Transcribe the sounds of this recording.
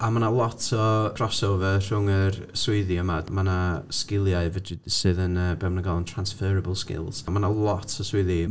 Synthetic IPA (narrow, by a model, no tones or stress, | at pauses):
amanalˠɔtʰɔ̥rɔsɔvər̥ʊŋərswɪðiəmadmanaskɪlˠjaɨvəd͡ʒɪdsɨːðənəːbɛwmnəɡalˠəntʰransfɛːɾəbəlˠskɪ̰lˠz̥manalˠɔtʰɔswɪði